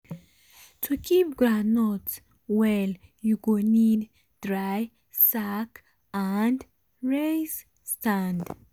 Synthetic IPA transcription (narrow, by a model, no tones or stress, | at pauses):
tʰukʰip̚ɡɹãdnots | wɛljuɡonid | d̥ɹaj | sak | and | ɹes | stãnd